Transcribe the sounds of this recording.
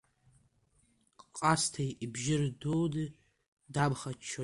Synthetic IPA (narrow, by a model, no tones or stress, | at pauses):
qʼqʼastʰajʔibʒɪrdowdɨ | dabχat͡ʃʰːo